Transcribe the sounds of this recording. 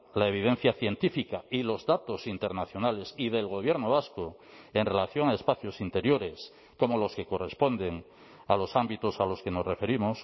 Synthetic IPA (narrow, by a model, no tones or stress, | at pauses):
laeβ̞iðe̞n̟θjaθje̞nt̪ifikailo̞zðat̪o̞sint̪e̞ɾnaθjo̞nale̞siðe̞lɣ̞o̞β̞je̞ɾnoβasko | e̞nre̞laθjo̞ŋae̞spaθjosint̪e̞ɾjo̞ɾe̞s | komo̞lo̞ske̞ko̞re̞spo̞nd̪e̞ŋ | alo̞sambit̪o̞salo̞ske̞no̞sre̞fe̞ɾimos